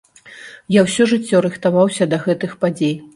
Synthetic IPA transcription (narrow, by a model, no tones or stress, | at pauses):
jawsʲɔʐɨt͡sʲːɔɾɨxt̪avawsʲɐd̪ɐɣɛt̪ɨxpad͡zʲej